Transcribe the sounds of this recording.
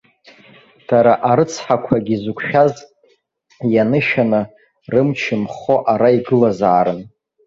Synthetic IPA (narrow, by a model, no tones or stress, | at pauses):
d̥aɾaʔaɾɨt͡sʰħakʷʰaɡʲizukʷʰʃᶣaz | janɨʃanɨ | rɨmt͡ʃʰɪmχo̞ʔaɾaiɡɨlazaːɾɨn